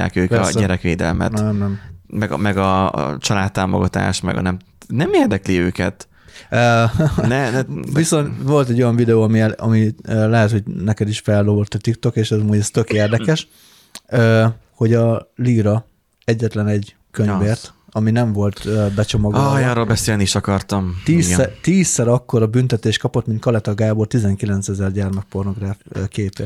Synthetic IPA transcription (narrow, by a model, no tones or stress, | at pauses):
a̰ːkøːkpɛ̰ssɟɛɾɛkʋḛːd̪ɛ̰lmɛ̰nɛmnɛmmɛɡ̰mɛɡɒ̰t͡ʃɒlaːt̪ːaːmo̰ɡɒt̪a̰ːʃt̪mɛ̰ɡɒ̰nɛm | nɛmeːrd̪ɛkliøːkɛ̰t̪ | øːnɛnɛviso̞nʋo̞lt̪ɛɟːojɒɱvid̪ɛoːɒmiɛɒmiøːlɛɦɛt̪ho̞ɟnɛkɛd̪iʃfɛlːobort̪ɒt̪ikt̪o̞keːʃɛzɒmuːɟɛst̪ø̞keːrd̪ɛkɛʃ | øː | ho̞ɟɒliːɾɒ | ɛɟːɛt̪lɛnɛɟ | køɲveːrt̪ | ɒminɛɱvo̞lt̪øbɛt͡ʃo̞mɒɡjɒɾolbɛseːlnieːʃɒkɒrt̪ɒmt̪iːsɛt̪iːsːɛɾɒkːo̞ɾɒbynt̪ɛt̪eːʃt̪kɒpo̞t̪mint̪kɒlɛt̪ɒɡaːbo̞rt̪izɛŋkilɛnt̪sɛzɛrɟɛrmɛk̚po̞rno̞ɡraːfːkeːpe